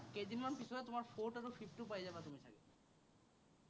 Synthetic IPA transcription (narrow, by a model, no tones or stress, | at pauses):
ked͡ʑ̪inmanpisʰoɾet̪omaɾfoʈaɾofʰipʈupajd͡ʑabet̪omit̪ʰa̰ke